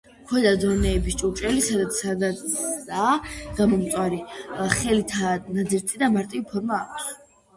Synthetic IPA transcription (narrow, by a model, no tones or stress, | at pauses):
kʰwɛd̪ad̪ɔnɛːbist͡ʃʼut͡ʃʼɛlisad̪at̪sʰad̪aaɡ̥amɔmt̪sʼwaɾiχɛlit̪ʰanad̪ziɾt̪ʼid̪amaɾt̪ʼivipʰɔɾmaːkʼs